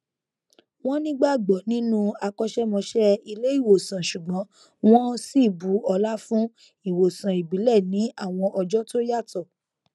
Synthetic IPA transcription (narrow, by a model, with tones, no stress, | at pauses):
w̃ɔ̃˦nĩ˦ɡ͡ba˦˨ɡ͡bɔ˨nĩ˨˦nũ˦a˧kɔ˧ʃɛ˦mɔ̃˧ʃɛ˦i˧le˦i˦˨wo˨sã˨ʃu˨ɡ͡bɔ̃˨˦ | w̃ɔ̃˦si˦˨bu˨˦ɔ˧la˦fũ˦ | i˦˨wo˨sã˨i˨bi˨˦lɛ˦˨nĩ˨˦ʔa˦˨w̃ɔ̃˧ʔɔ˧d͡ʒɔ˦to˦ja˦˨tɔ˦˨